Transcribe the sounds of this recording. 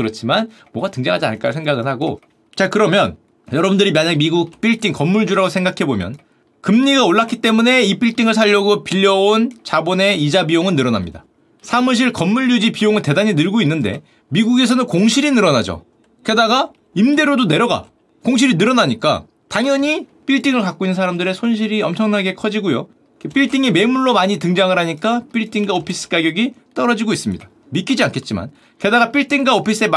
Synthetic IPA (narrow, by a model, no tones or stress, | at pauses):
kɯɾʌt͡ɕʰiman | mwoɡatɯŋd͡ʑaŋɦad͡ʑia̰nɭk͈asʰe̞ŋɡaɡɯnhaɡo | t͡ɕakɯɾʌmjʌn | jʌɾʌbundɯɾimjaɲaŋmiɡuk̚p͈iɭt͈iŋkʌmːuɭd͡ʑuɾaɡosʰeŋɡakʰe̞bomjʌ̰n | kɯmɲiɡaoɭːak͈ʰit͈e̞mune̞ip͈iɭt͈iŋɯɭsʰaʎːʌɡopiʎːʌont͡ɕabone̞id͡ʑabioŋɯnːɯɾʌna̰mɲḭda̰ | sʰamuɕ̬ʰiɭkʌmːuʎːud͡ʑipijoŋɯɭte̞daɲinɯɭɡoinːɯnde̞̰ | miɡuɡe̞s̬ʰʌnɯnkoŋɕʰiɾinɯɾʌna̰d͡ʑo̰ | ke̞daɡa | imde̞ɾodone̞ɾjʌɡa̰ | koŋɕ̬ʰiɾinɯɾʌnaɲik͈a̰ | taŋjʌɲip͈iɭt͈iŋɯɭkak͈̚oinːɯnsʰaɾamdɯɾe̞sʰonɕʰiɾiʌmt͡ɕʰʌŋnaɡe̞kʰʌd͡ʑiɡojo | kep͈iɭt͈iŋeme̞muɭːomaɲit̬ɯŋd͡ʑaŋɯɾɦaɲik͈ap͈iɭt͈ʰiŋɡaopʰis͈ɯ̥k͈aɡjʌɡit͈ʌɾʌd͡ʑiɡois͈ɯmɲḭd̥ḁ | mik͈id͡ʑiankʰe̞t̚t͡ɕ͈ima̰n | ke̞daɡap͈iɭt͈ʰiŋɡaopʰis͈ɯe̞m